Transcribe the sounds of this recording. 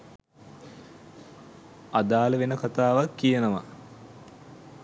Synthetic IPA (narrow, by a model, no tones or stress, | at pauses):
ad̪aːləʋenəkat̪aːʋakːijənəʋa̰